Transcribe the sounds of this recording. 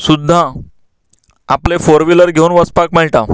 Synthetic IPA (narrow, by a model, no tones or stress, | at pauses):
sud̪ʱːã | aplefoɾʋiləɾɡʱeunʋəspakməɭʈ̪a